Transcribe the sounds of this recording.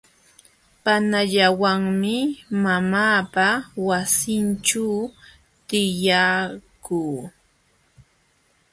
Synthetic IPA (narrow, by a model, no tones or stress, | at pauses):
panaʎawaŋmɪmamaːpawasɪnʈ͡ʂaw | t̪ɪjakuː